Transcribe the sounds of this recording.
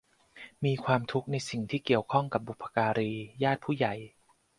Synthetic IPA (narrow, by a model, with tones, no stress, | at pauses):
miː˧kʰwaː˧mt̪ʰu˦˥k̚na˧jsi˨˩ŋt̪ʰiː˥˩ki˨˩əwkʰɔ˥˩ŋka˨˩p̚bu˨˩pʰːḁ˧kaː˧ɾiː˧jaː˥˩t̪̚pʰuː˥˩ja˨˩j